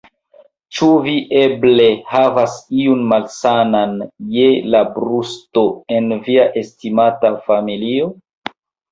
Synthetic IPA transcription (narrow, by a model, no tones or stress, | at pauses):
t͡ʃuviʔe̞ble̞havasiunmalsananjelabɾusto̞e̞nviaʔe̞stimatafamilio